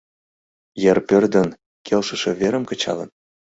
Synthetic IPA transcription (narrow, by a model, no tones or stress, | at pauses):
jərpørd̪ə̆n | kʰelʃə̆ʃĕveɾə̆mkə̆t͡ɕɑ̰lə̰n